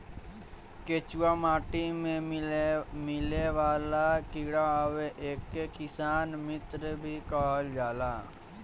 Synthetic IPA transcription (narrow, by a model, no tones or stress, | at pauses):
ket͡ʃuwamaːʈimẽ | mɪleʋaːlakɪːɽaweʔeːkːekɪsaːnmɪt̪ɾəbʱikaːld͡ʒaːlaː